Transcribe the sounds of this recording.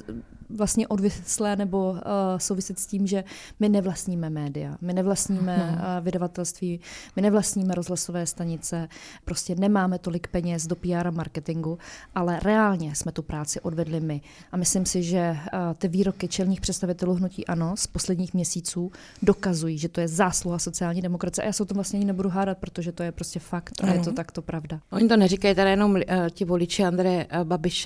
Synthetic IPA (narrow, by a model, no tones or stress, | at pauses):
vlast̪ɲɛʔo̞dvjɪt͡slɛːnɛbo̞sowvɪsɪt̪sciːmʒɛmɪnɛvlast̪ɲiːmɛmɛːdɪja̰mɪnɛvlastɲiːmɛvɪdavat̪ɛlst̪viːmɪnɛvlastɲiːmɛɾo̞zɦlaso̞vɛːst̪aɲɪt͡sɛpɾo̞scɛnɛmaːmɛt̪o̞lɪkpɛɲɛsdo̞piːaːɾamaɾkɛt̪ɪŋɡuʔalɛɾɛaːlɲɛsmɛt̪upɾaːt͡sɪʔo̞dvɛdlɪmɪʔamɪslɪmsɪʒɛt̪ɪviːɾo̞kɪt͡ʃɛlɲiːxpr̥ɛt̪st̪avɪt̪ɛluːɦnucḭːʔano̞spo̞slɛdɲiːxmɲɛsiːt͡suː | do̞kazujiːʒɛt̪o̞jɛzaːsluɦaso̞t͡sɪaːlɲiːdɛmokɾatt͡sɪjɛʔajaːsɛot̪omvlastɲɛʔaɲɪnɛbuduɦaːdat̪̚pɾo̞t̪oʒɛt̪o̞jɛpɾo̞scɛfakt̪ʔa̰jɛt̪ot̪akt̪o̞pɾavdaʔoɲɪt̪onɛɾikajit̪ɛɾajɛno̞mcɪvolɪt͡ʃɪand̪ɾɛjɛbabɪʃ